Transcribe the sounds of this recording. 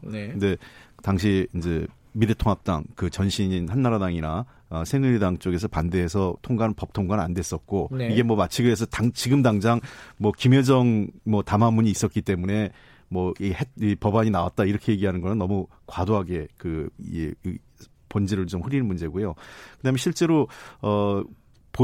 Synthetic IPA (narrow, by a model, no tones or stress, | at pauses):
kkɯnde̞taŋɕ̬ʰiind͡ʑe̞ | miɾɯtʰoŋap̚t͈a̰ŋkɯt͡ɕʌnɕʰiɲinhanːaɾadaŋiɾa | ʌsʰenuɾidaŋt͡ɕ͈oɡe̞s̬ʰʌpande̞ɦesʰʌtʰoŋɡanɯnpʌp̚tʰoŋɡwana̰nde̞s͈ʌt̚k͈oiɡe̞mwʌmat͡ɕʰiɡɯesʰʌtaŋt͡ɕiɡɯmdaŋd͡ʑaŋmwʌkimjʌd͡ʑʌŋmʌtamamuɲiːs͈ʌt̚k͈it͈e̞mune̞ | mʌheipʌbaɲinawa̰t̚t͈aiɾʌkʰe̞je̞ɡiɦanɯnɡʌnɯnʌmu | kwadoɦaɡe̞kɯ̰ | pʌnd͡ʑeɾɯɭt͡ɕomɸɯɾinnmund͡ʑe̞ɡojokɯdaːmjʌɕʰiɭt͡ɕ͈e̞ɾoʌ | po